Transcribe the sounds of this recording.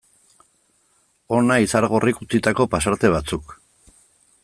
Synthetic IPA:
o̞naisaɾɣo̞rikut͡sit̪ako̞pasaɾt̪e̞β̞at͡suk

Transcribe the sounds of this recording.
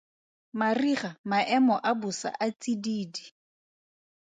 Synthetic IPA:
mariχamaʔɛmɔʔabusa̰ʔat͡sʼidiːdi

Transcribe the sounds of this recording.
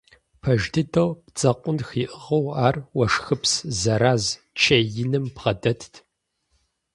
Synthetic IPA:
pʰɐʒdɨdʰɐwpt͡sʼɐqʷʼʊnxiːʔəʁɐwaːrwɐʂxɨpszɐɾaːz | t͡ʃʰɐjɪnɨmpʁɐdɐtʰtʰ

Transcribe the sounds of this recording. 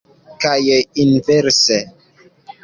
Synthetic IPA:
kajeinvɛɾse

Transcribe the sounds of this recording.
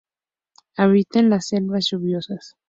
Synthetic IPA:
aβit̪enlasːe̞lβasʝuβjo̞sas

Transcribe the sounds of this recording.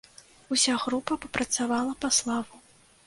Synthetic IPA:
usʲaɣɾupɐpɐpɾɐt̪savalˠɐpaslˠavu

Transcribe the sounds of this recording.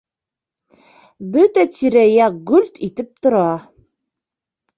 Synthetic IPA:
bɵt̪æt̪iɾæjæɡɵlʲt̪it̪ɘp̚t̪ŏɾɑ

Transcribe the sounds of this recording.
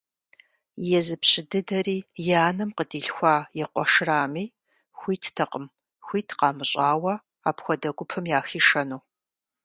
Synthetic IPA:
jɛzɨpɕʼɪdɨdɐɾiːjaːnɨmqədiːɬxʷaːjɛqʷɔʂraːmiː | xʷiːtʰtʰɐqʼəm | xʷiːtʰqɑːmɨɕʼaːwɐ | aːpxʷɔdɐɡʷʊpʰɨmjaːxiːʂɐnuː

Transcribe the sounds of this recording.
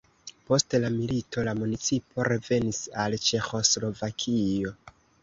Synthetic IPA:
po̞stlamilito̞lamunit͡sipo̞ɾe̞ve̞nisalt͡ʃe̞xo̞slo̞vakʰio̞

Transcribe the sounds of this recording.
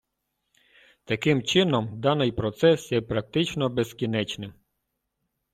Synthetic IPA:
t̪ɐkɪmt͡ʃɪnɔmd̪ɑnɪjpɾɔt̪sɛsjɛpɾɐk̚t̪ɪt͡ʃnɔbeskʲinɛt͡ʃnɪm

